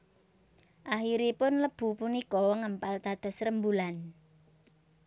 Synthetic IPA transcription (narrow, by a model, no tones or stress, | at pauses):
ʔaxiɾepʊnləb̥ṳpunikɔŋəmpalt̪ad̪̥ɔ̤sɾəmbulan